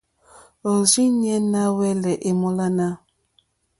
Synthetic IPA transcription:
zi˦ɲɛ˦na˦wɛ˦lɛ˨ʔe˨mɔ˦la˦na˦

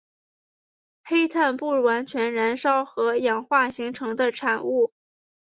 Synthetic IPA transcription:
xe˥ɪt̪ʰa˥˧npu˥˧ɻwa˧˥nt͡ɕʰɥɛ˧˥nɻa˧˥nʂɑ˥ʊxɤ˧˥jɑ˨˩ŋxwa˥˩ɕi˧˥ŋʈ͡ʂʰɤ˧˥ŋd̪ə˧ʈ͡ʂʰa˨˩nu˥˩

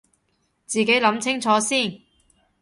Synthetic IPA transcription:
t͡siː˨ke˨˥jlɐ˨˥mt͡sʰɪ˥ŋt͡sʰɔː˨˧˥siː˥˩n

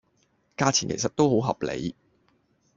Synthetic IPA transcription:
kaː˧t͡sʰiː˨˩nkʰe˨˩sɐ˨t̚t̪o˥who˨˥wɦɐ˨p̚lḛ˨˧˥j

